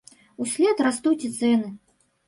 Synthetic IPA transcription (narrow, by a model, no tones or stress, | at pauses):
usʲlʲɛt̪rast̪ut͡sʲit̪sɛnɨ